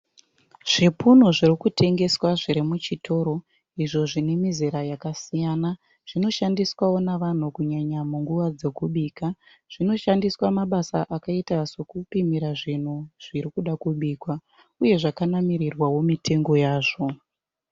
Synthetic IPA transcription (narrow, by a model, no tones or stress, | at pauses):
ʐ̥ipun̤uʐirikutʰe̞ŋɡe̞swaʐiɾimut͡ʃitʰo̞ːɾo̞ | iʐo̞ʐinemizeɾajakasijana | ʐ̥ino̞ʃandiswawo̞naʋan̤ukuɲaɲamuŋɡuʋad͡ze̞kuɓiːka | ʐ̥ino̞ʃandiswamaɓasaʔakaitasokupimiɾaʐin̤uʐ̥iɾikuɗakuɓiːkwa | uje̞ʐakanamiɾirwawo̞mitʰe̞ŋɡo̞jaːʐo̞